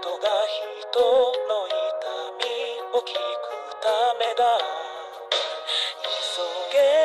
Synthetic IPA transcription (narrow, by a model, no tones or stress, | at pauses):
t̪oɡaçi | t̪ono̞it̪amʲiokʰʲikɯt̪ame̞d̪a | isoɡe